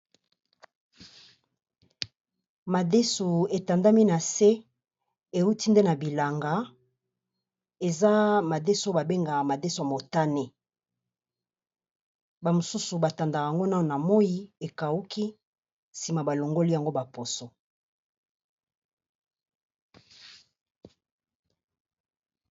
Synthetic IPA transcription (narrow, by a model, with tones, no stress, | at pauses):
ma˨de˦su˨e˨ta˨nda˦mi˦na˨se˦ | e˨u˦ti˦nde˦na˨bi˨la˨ŋɡa˨˦ | e˨za˦ma˨de˦so˦ba˨be˦ŋɡa˨ma˨de˦so˨a˨mo˨ta˦ne˦ | ba˨mo˨su˦su˨ba˨ta˨nda˨a˨a˨ŋɡo˦na˦o˨na˨mo˦ji˦e˨ka˨u˦kʰi˦ | si˨ma˨ba˨lo˨ŋɡo˦li˦ja˨ŋɡo˦ba˨po˨so˦